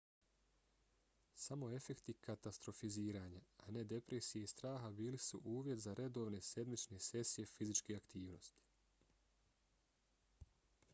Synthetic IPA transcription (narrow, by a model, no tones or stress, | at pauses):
samo̞e̞fe̞kt̪ikat̪ast̪ɾo̞fiziːɾaːɲaane̞d̪e̞pɾe̞sijeist̪ɾaːɦabiːlisuʔuːʋje̞t̪zaɾe̞d̪o̞ʋne̞sje̞d̪mit͡ʃne̞se̞sije̞fizit͡ʃkeakt̪iːʋno̞̰st̪i̥